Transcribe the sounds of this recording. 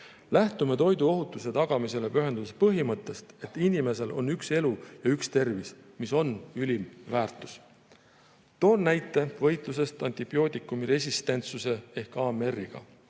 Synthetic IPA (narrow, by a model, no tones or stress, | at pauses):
læht̪umet̪o̞jd̪uo̞ɦut̪ːˑuse̞t̪ɑɡ̥ɑmise̞le̞pyɦe̞nd̪ud̪espɤɦimɤt̪ːˑe̞st̪e̞t̪ːˑinʲime̞se̞lʔo̞̰nːykse̞lujɑykst̪e̞rvismiso̞nylʲimvæːrt̪ˑu̥s | t̪o̞ːrnːæjt̪ːˑe̞vɤ̞jt̪lus̬e̞st̪ɑnʲt̪ib̥io̞ːt̪ikːˑumiɾe̞sʲist̪e̞nt̪suse̞ehkɑeme̞rːiɡ̥ɑ̰